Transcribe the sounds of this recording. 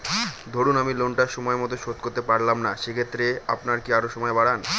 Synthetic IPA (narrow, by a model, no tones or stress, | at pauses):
d̪ʱoɽunamilonʈaʃɔmɔemɔt̪oʃot̪koɾt̪epaɾlamnaʃekʰet̪ːɾea̰pnaɾkiaɾoʃɔmɔebaɽan